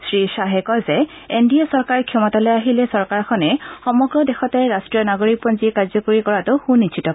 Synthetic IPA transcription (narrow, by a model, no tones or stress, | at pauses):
sɹisaɦɛkɔzɛ | endiasɔɹkaɹkʰjɔmɔtalɔjaɦilɛsɔɹkaɹkʰɔnɛxɔmɔɡɹɔdɛxɔtɛɹastɹijɔnaɡoɹik̚pɔnzikaɹzɔkoɹikɔɹatʊxunit͡ʃʰitɔ